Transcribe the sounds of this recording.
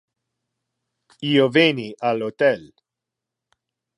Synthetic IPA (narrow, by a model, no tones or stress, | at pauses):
iːoveniʔalot̪ɛl